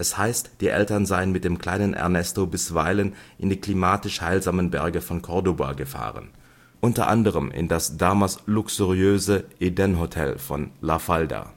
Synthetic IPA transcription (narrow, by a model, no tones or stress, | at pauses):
ʔɛshaɪstd̥iːʔɛ̰ltɐnzaɪənmɪt̚d̥eːmkl̥aɪnənʔɛ̰ɐnɛstobɪsv̥aɪlənʔɪndiːkl̥imaːtɪʃhaɪlzaːmənbɛɐɡəfɔnkʰɔɐdoba̰ɡəfa̰ːʁə̰n | ʔʊntɐ̰ʔa̰ndəʁəmɪ̰ndasd̥aːmaslʊksuʁiøːzəʔedɛnɦotʰɛ̰lfɔnlafalda̰